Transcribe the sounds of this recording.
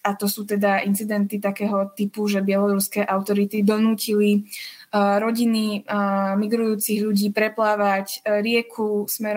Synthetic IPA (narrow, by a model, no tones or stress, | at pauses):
at̪ɔsuːt̪ɛd̪aʔint͡sid̪ɛnt̪it̪akɛːɦɔt̪ipuʒɛbɪɛlɔɾuskɛːʔaʊt̪ɔɾit̪id̪ɔnuːcili | ɾɔɟini | miɡɾujuːt͡siɣʎuɟiːpɾɛplaːʋacɾɪɛkʰusmɛɾ